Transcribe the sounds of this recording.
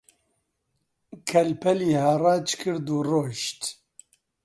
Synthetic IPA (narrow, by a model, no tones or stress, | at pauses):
kʰɛlpʰɛliːhaːrɑːt͡ʃkʰɨɾd̪uːroːʃt̪